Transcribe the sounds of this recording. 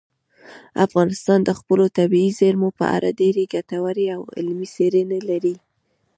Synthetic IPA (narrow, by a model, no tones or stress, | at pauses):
afɣɑnɪst̪ɑnd̪əxpəlot̪abiizeɾmopə̰ʔa̰ɾʔa̰d̪eɾeɡat̪awaɾeawɪ̰lmiseɾenalaɾi